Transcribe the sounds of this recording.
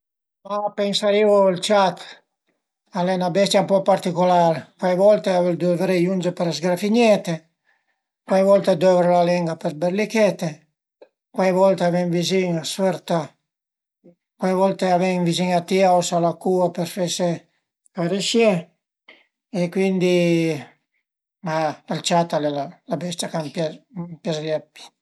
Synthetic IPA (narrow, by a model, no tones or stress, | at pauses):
mapeŋsaɾivolt͡ʃat̪ | alɛnabɛst̪jaumpɔpaɾt̪ikolaɾkwajvɔlt̪eaveld̪øvɾejund͡ʒepeɾazɡɾafiɲɛt̪e | kwajvɔlt̪ed̪øvɾelalɛŋɡapeɾbeɾlikɛt̪e | kwajvɔlt̪eavɛŋviziŋasfɛɾt̪a | kwajvɔlt̪eavɛŋviziŋat̪iaosalakuapeɾfese | kaɾeʃjɛ | ekwind̪i | maalt͡ʃat̪alelalabɛst̪jakampapjazliapi̥